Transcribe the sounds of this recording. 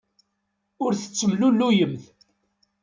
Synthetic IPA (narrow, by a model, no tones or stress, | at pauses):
ʊɾθət͡sːəmlulːujəmθ